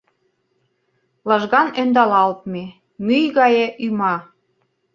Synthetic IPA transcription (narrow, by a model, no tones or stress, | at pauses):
lɑʒɣɑnønd̪ɑlɑlt̪̚me | myjɣɑjeʔymɑ